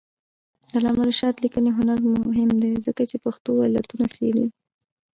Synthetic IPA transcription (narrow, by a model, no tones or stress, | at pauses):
d̪alɑmaɾiʃɑt̪likəneɦʊnaɾmʊɦɪmd̪ezəkat͡ʃepaxt̪oala̰t̪unasḛɽḭ